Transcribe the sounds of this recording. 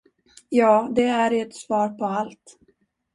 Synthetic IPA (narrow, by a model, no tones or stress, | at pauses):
jɑːd̪ɛæɾɛt̪svɑːɾpʰɔalt̪